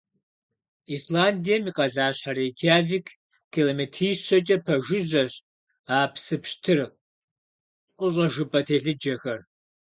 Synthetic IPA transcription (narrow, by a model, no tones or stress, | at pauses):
iːslaːndijɐmiːqɐɮaːɕħaɾeːkʰaːviːkʰ | kʰːiloːmetʰiːɕɐt͡ʃʼɐpʰɐʒɨʑɐɕ | aːpsɨpʃtʰɨr | ʔʷʊɕ̬ʷʼɐʒɨpʼɐtʰeːɬɨd͡ʒɐxɐr